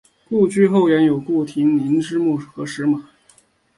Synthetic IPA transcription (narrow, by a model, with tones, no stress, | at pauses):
ku˥˧t͡ɕy˥˧xo˥˩ʊjɥɛ˧˥njo˨˩ʊku˥˩t̪ʰi˧˥ŋni˧˥nʈ͡ʂɻ̩˥mu˥˩xɤ˧˥ʂɻ̩˧˥ma˨˩˦